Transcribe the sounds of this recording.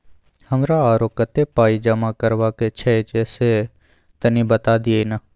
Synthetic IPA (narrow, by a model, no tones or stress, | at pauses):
həmɾaːaːɾoːkət̪eːpaːiːd͡ʒəmaːkəɾʋaːket͡ʃʰɛet͡ʃeseː | t̪ənĩːbət̪aːd̪ɪeinaː